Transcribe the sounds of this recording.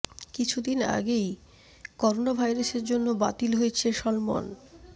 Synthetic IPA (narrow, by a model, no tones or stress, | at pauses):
kit͡ɕʰud̪ina̰ɡej | kɔɾonabʱajɾaseɾd͡ʑonːoba̰t̪ilɦojet͡ɕʰeʃɔlmo̰n